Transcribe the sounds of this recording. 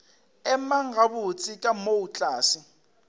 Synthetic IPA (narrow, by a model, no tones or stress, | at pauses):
ɛmaŋɡʱaβut͡sʰʼikʼamout͡ɬʼaːsi